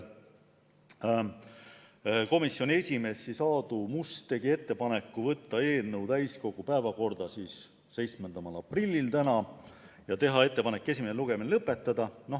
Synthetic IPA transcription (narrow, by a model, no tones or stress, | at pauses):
ko̞misːjo̞nʲie̞sʲime̞sːisɑːd̪̥umust̪e̞ɡie̞t̪ːe̞pɑnekˑːuvɤt̪ːɑe̞ːlnɤwt̪æjsko̞ɡ̥upæevɑko̞rd̪̥ɑsiːs | se̞jt̪smend̪̥ɑmɑlɑprilʲːilt̪ænɑ | jɑt̪e̞ɦɑe̞t̪ːe̞pɑnekːˑe̞s̬ʲimeneluɡ̥e̞minelɤpˑːe̞t̪ːˑɑd̪̥ɑno̞